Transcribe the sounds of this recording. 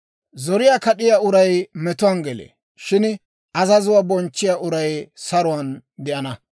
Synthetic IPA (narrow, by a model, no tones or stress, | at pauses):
zɔɾɪjaːkɐɗɪjaːʊɾɐjmɛt̪ʊwanɡɛlḛ | ʃɪn | ʔɐzɐzʊwaːbɔnt͡ʃːɪjaːʔʊɾɐjsɐɾʊwɐnd̪ɛʔɐnɐ